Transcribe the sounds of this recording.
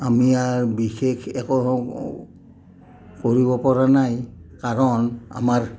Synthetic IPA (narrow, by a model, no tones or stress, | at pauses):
amiaɹbixʰekʰɛkɔ | koɹibɔpɔɹanajkaɹɔna̰maɹ